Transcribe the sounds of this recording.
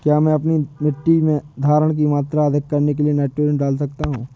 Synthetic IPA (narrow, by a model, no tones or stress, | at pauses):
kjaːmɛ̃ɐpnimɪʈːimẽd̪ʱaːɾəɽ̃k̬imaːt̪ɾaːd̪ʱəkkːɐɾnek̬elieneːʈuːɾjə̃nɖaːlsɐkt̪aɦũː